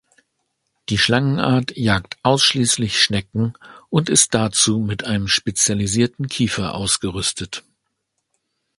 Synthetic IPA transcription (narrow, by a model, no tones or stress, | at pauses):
d̥iːʃlaŋənʔa̰ːɐtjaːktʔaʊsʃliːslɪçʃnɛkŋ̩ʔʊntɪst̚d̥at͡suːmɪtʔaɪnəmʃpet͡sjaliziːɐtn̩kʰiːfɐʔa̰ʊsɡ̥əʁʏstʰət